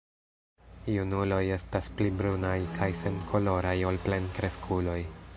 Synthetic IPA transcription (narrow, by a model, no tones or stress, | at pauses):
junulo̞je̞stasplibɾunajkʰajse̞nkʰo̞lo̞ɾajo̞lple̞nkɾe̞skʰulo̞j